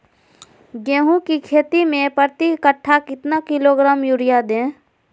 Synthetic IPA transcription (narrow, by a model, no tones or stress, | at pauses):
ɡẽːɦũkikʰeːt̪imẽpəɾt̪ikəʈʰːakɪt̪nakɪloɡɾaːmjuɾɪjad̪ẽː